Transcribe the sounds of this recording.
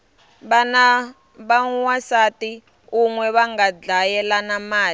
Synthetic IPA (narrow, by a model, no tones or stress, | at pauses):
βana | βawasati | uŋwɛβaŋɡad͡ɮajɛlanamaːl